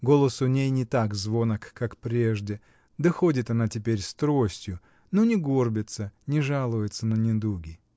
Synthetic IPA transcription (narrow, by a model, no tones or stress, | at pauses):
ɡo̞lˠəsʊnʲejnʲɪt̪akzvo̞nəkːakpɾʲe̞ʐdʲɪ | d̪əxo̞dʲɪt̪ɐnatʲɪpʲeɾʲst̪ɾosʲtʲjʊ | nonʲɪɡorbʲɪt̪sənʲɪʐalˠʊjɪt̪sənənʲɪd̪uɡʲɪ